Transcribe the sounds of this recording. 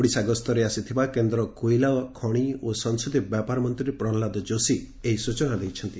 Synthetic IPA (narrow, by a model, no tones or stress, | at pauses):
ɽisaɡɔst̪ʰɔɾeasit̪ʰibakend̪ɾɔkojlaɔkʰɔɽ̃iosɔŋsut̪ibjapaɾɔmɔnt̪ɾiepɾɔlad̪ɔd͡ʒosi | eɦisut͡ʃɔnad̪ejt͡ʃʰɔnt̪i